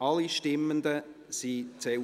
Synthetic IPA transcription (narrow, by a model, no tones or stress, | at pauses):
ɑliʃtɪmːənd̪ə | sit͡sɛ